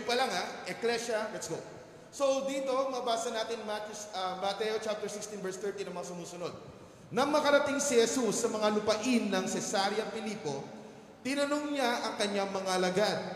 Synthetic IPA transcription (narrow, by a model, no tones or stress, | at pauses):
pɐlaŋaʔɛklɛʃɐlɛt̪sɡo | so̞d̪iːt̪o̞mɐʔɐbaːsɐnaːt̪ɪnmat̪ʊsɐmɐt̪ɛjot͡ʃap̚t̪ɛɹsɪkst̪invɛɹst̪ɛɹt̪inɐŋmɐŋasʊmuːsʊno̞d̪̚ | nɐmɐkɐɾɐt̪ɪŋsɪhɛsusːɐmɐŋalʊpɐʔɪnːɐŋsɛsaɾjɐpɪliːpo̞ | t̪ɪnɐnoŋɲaʔɐŋkɐɲːaŋmɐŋaɐlɐɡad̪